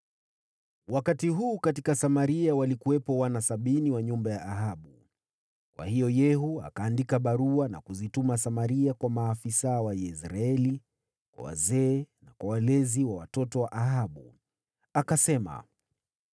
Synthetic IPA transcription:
wakatiɦuːkatikasamaɾiawalikuwɛpɔwanasaɓiniwaɲumbajaʔːɦaɓu | kwa̰hijɔjɛɦua̰kaːndikaɓaɾuana̰kuzitumasamaɾiakwamaːfisawajɛsɾaɛli | kwa̰wa̰zɛːnakwawalɛziwawatɔtɔwaʔaɦaɓu | akasɛma̰

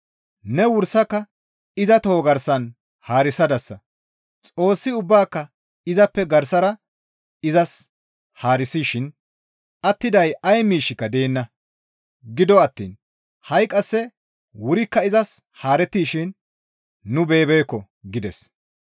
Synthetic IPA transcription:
nɛwʊɾsɐkːɐ | ɪzɐt̪ɔhɔɡɐɾsɐn | haːɾɪsɐd̪ɐsːɐ | t͡sʼo̞ːsːɪʊbːaːkːɐ | ɪzɐpːɛɡɐɾsɐɾɐ | ɪzɐs | haːɾɪsiːʃɪn | ɐt̪ːɪd̪ɐjɐjmiːʃɪkːɐd̪e̞ːnːɐ | ɡɪd̪ɔɐt̪ːḭːn | hɐjkʼɐsːɛ | wʊɾɪkːɐɪzɐs | haːɾɛt̪ːiːʃɪnː | ʊbe̞ːbe̞ːkːɔ | ɡɪd̪ɛs

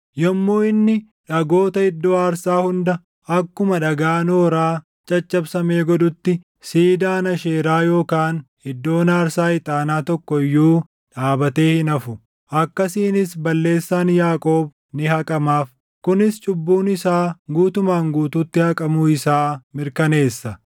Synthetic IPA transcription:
jɐmːoːɪnːɪ | ᶑɐɡo̞ːt̪ɐɪd̪ːo̞ːaːɾsaːhʊnd̪ɐ | ɐkːʊmɐᶑɐɡaːno̞ːɾaː | t͡ʃʼɐt͡ʃːɐbsɐme̞ːɡɔd̪ʊt̪ːɪ | siːd̪aːnɐʃeːɾaːjo̞ːkaːnhɪd̪ːo̞ːnaːɾsaːɪt̪ʼaːnaːt̪ɔkːɔjːuː | ᶑaːbɐt̪e̞ːhɪnɐfʊ | ʔɐkːɐsiːnɪsbɐlːe̞ːsːaːnjaːkʼo̞ːb | nɪhɐkʼɐmaːf | kʊnɪst͡ʃʼʊbːuːnɪsaːɡuːt̪ʊmaːŋɡuːt̪uːt̪ːɪhɐkʼɐmʊɪsaːmɪɾkɐne̞ːsːɐ

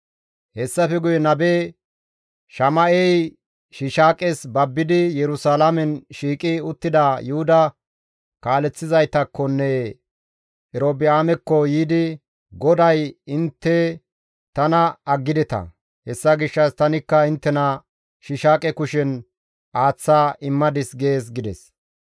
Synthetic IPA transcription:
hɛsːɐfɛɡʊjɛnɐbeː | ʃɐmɐʔɛj | ʃɪʃaːkʼɛsbɐbːɪd̪ɪjɛɾʊsaːlamɛnʃiːkʼɪʊt̪ːɪd̪ɐjʊhʊd̪ɐ | kaːlɛt͡sːɪzɐjt̪ɐkːɔnːɛ | ɛɾoːbɪaːmɛkːɔjiːd̪ɪ | ɡɔd̪ɐjɪnt̪ːɛ | t̪ɐnɐɐɡːɪd̪ɛt̪ɐ̰ | hɛsːɐɡɪʃːɐst̪ɐnɪkːɐɪnt̪ːɛnɐ | ʃɪʃaːkʼɛkʊʃɛn | ʔaːt͡sːaːʔɪmːɐd̪ɪsɡe̞ːs̬ɡɪd̪ɛs

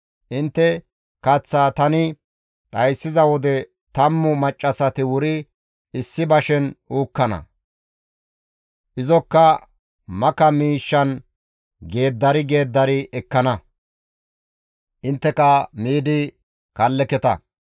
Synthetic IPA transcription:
ʔɪnt̪ːɛ | kɐt͡sːaːt̪ɐnɪ | ɗɐjsːɪzɐwɔd̪ɛ | t̪ɐmːʊmɐt͡ʃʼːɐsɐt̪ɪwʊɾɪ | ɪsːɪbɐʃɛnʔuːkːɐnɐ̰ | ʔɪzɔkːɐ | mɐkɐmiːʃːɐn | ɡe̞ːd̪ːɐɾɪɡe̞ːd̪ːɐɾɪɛkːɐnɐ | ʔɪnt̪ːɛkɐmiːd̪ɪ | kɐlːɛkɛt̪ɐ

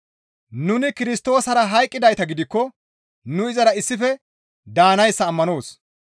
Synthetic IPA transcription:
nʊnɪkɪɾɪst̪o̞ːsɐɾɐɦɐjkʼːɪd̪ɐjt̪ɐɡɪd̪ɪkːɔ | nʊɪzɐɾɐɪsːɪfɛ | d̪aːnɐjsːɐːmːɐno̞ːs

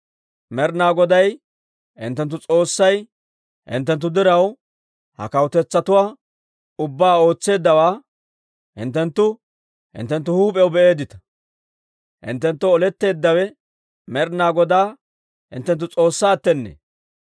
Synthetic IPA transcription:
mɛɾnaːɡɔd̪ɐj | hɪ̰nt̪ːɛnt̪̬ːʊt͡sʼo̞ːsːɐj | hɪ̰nt̪ːɛnt̪ːʊd̪ɪɾɐw | hɐ̰kɐwt̪ɛt͡sːɐt̪ʊwaː | ʊbːaːo̞ːt͡sːe̞ːd̪ːɐwaː | hɪ̰nt̪ːɛnt̪ːʊ | hɪ̰nt̪ːɛnt̪̬ːʊhuːpʼɛwbɛʔe̞ːd̪ɪt̪ɐ̥ | hɪ̰nt̪ːɛnt̪ːʊɔlɛt̪ːe̞ːd̪ːɐwɛ | mɛɾnaːɡɔd̪aː | hɪnt̪ːɛnt̪ːʊt͡sʼo̞ːsːaːt̪ːɛnːḛ

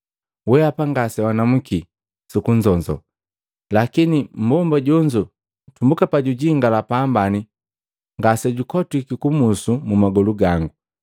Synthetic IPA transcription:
wɛapaŋɡasɛwanamuki | sukuɲd͡ʒɔɲd͡ʒɔ̰ | lakinim̩bɔmbaɟɔɲd͡ʒɔ | tumbukapaɟuɟiŋɡalapaːmbani | ŋɡasɛɟukɔtwikikumusumumaɡɔluɡaŋɡu

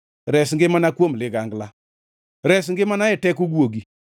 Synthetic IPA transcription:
ɾɛsŋɡɪmanakwomlɪɡaŋɡla | ɾɛs̬ŋɡɪmanaɪtɛkʊɡwoɡi

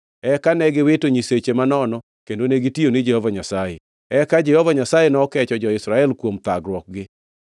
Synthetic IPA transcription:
ɛkanɛɡɪwɪtoɲiset͡ʃemanɔnɔ | kendoneɡitionɪd͡ʒɛhovaɲasaje | ɛkad͡ʒɛhovaɲasajenɔkɛt͡ʃɔd͡ʒɔɪsɾaɛlkwomt̪aɡɾwɔk̚ɡɪ

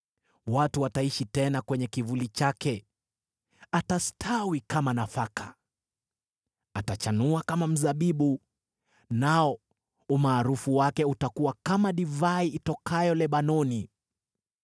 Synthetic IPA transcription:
watuwataiʃitɛnakwɛɲɛkivulit͡ʃakɛ | atastʰawikamanafakʰa | atat͡ʃanuakamam̩zaɓiɓu | naɔ | umaːɾufuwakɛutakuwakamaɗivaiːtɔkajɔlɛɓanɔni

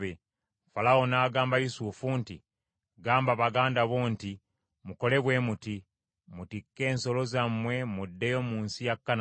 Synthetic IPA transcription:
e | falao̞naːɡaːmbajusufunti | ɡaːmbaβaɡaːndaβoːnti | muko̞le̞βwe̞ːmuti | mutikːe̞ːnso̞lo̞zamwe̞mudːe̞jo̞muːnsijakːan

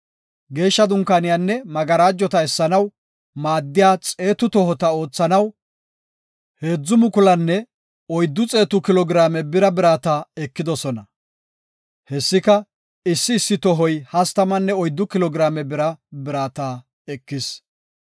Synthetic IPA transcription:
ɡe̞ːʃːɐd̪ʊŋkːanɪjanːɛmɐɡɐɾaːd͡ʒːɔt̪ɐɛsːɐnɐw | maːd̪ːɪjaːt͡sʼe̞ːt̪ʊt̪ɔɦɔt̪ɐo̞ːt͡sːɐnɐw | he̞ːd͡zːʊmʊkʊlɐnːɛ | ɔjd̪ːʊt͡sʼe̞ːt̪ʊkɪlɔɡɪɾaːmɛbɪɾɐbɪɾaːt̪aːɛkːɪd̪ɔsɔnɐ | hɛsːɪkɐ | ɪsːɪːsːɪt̪ɔɦɔjhɐst̪ɐmɐnːɛɔjd̪ːʊkɪlɔɡɪɾaːmɛbɪɾɐbɪɾaːt̪aː | ɛkːɪs

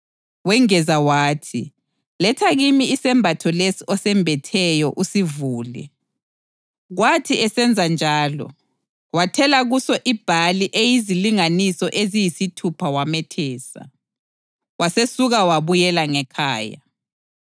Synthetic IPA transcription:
wɛŋɛzawaːtʰi | lɛtʰaɣimiːsɛmbʱatʰɔlesiʔɔsɛmbʱɛtʰɛjɔʔusivuːlɛ̰ | ɣwatʰiɛsɛnd͡zʱand͡ʒʱaːlɔ̰ | watʰɛlaɣusɔʔib̥ʱaliʔejiziliŋanisɔʔezijisitʰupʰawamɛtʰɛːsa̰ | wasesuɣawaβujɛlaŋɛkʰaːja̰

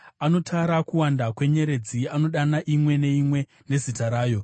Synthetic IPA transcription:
ano̞tʰaɾakuwandakwe̞ɲe̞ɾe̞d͡ziano̞ɗanaʔimwe̞ne̞imwe̞ | ne̞zitaɾaːjo̞

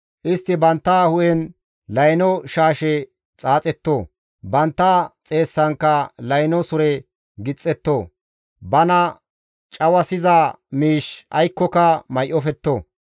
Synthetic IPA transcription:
ʔɪst̪ːɪbɐnt̪ːahʊʔɛn | lɐjnɔʃaːʃɛ | t͡sʼaːt͡sʼɛt̪ːoː | bɐnt̪ːɐt͡sʼe̞ːsːɐŋkːɐlɐjnɔsʊɾɛ | ɡɪt͡sʼːɛt̪ːoː | bɐnɐ | t͡ʃʼɐwɐsɪza | miːʃɐjkːɔkɐmɐjʔɔfɛt̪ːoː

